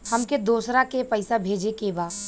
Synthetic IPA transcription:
hɐmked̪oːsɾakepɐɪsabʱeːd͡ʒekeːbaː

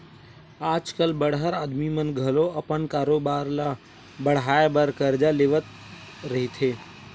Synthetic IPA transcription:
aːd͡ʒkəlbəɽɦəɾaːd̪mimənɡʱəloɐpənkaːɾoːbaːɾla | bəɽ̤aːebəɾkəɾd͡ʒaleːʋət̪ | ɾɐɦit̪ʰeː

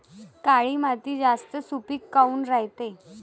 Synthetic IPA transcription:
kaɭiːmat̪iːd͡zast̪əsupiːkːauːnɾaɦjt̪e

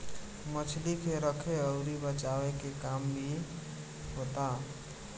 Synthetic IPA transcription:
mət͡ʃʰlikeɾəkʰeəʊɾibət͡ʃawekekambʱi | ɦot̪a

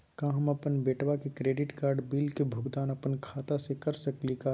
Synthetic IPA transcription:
kãːɦɐmɐpənbeːʈwakekɾeːɖɪʈkaːɾɖbiːlkebʱʊɡd̪aːnɐpənkʰaːt̪asekɐɾsɐklikaː

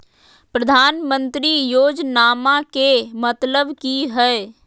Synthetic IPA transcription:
pɾəd̪ʱaːnmə̃nt̪ɾijoːd͡ʒnaːmakemət̪ləbkiɦɛː

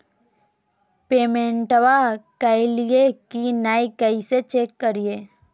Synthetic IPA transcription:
peːmẽɳʈʋakɪlijekinaːikəiset͡ʃeːkːəɾije

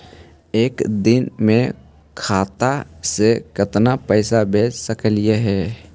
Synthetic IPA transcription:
eːkd̪ɪnmẽ | kʰaːt̪asekət̪napəɪsabʱeːt͡ʃsəkəlijeɦɛː

